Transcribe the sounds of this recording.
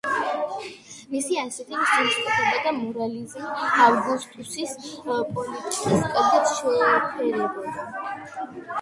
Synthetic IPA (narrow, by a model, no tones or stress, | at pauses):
misiasɛt̪ʰimʃamt͡ʃʼkʼɔt̪ɛbad̪amɔɾalizmavɡust̪ʼusispʼɔlit̪ʼikʼiskʼaɡat̪ʰʃɔpʰɛɾɛba